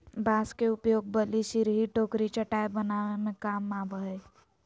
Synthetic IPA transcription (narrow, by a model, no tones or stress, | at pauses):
baːskeʊpjoːɡ̚bəliʃiɾɦiʈoːkɾit͡ʃəʈaːebənaːʋemẽkaːmːaːbəe